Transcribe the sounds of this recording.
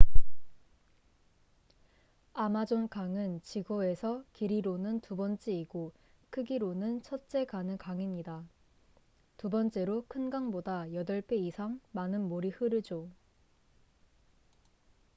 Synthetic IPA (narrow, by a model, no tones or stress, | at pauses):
amad͡ʑonkaŋɯnt͡ɕiɡoe̞sʰʌkiɾiɾonɯntubʌnt͡ɕ͈eiɡ̥o | kʰɯɡiɾonɯnt͡ɕʰʌt̚t͡ɕ͈e̞kanɯkaŋiɲida | tubʌnt͡ɕ͈e̞ɾokʰɯnɡaŋbodajʌdʌɭp͈eisʰaŋmanɯnmoɾihɯɾɯd͡ʑo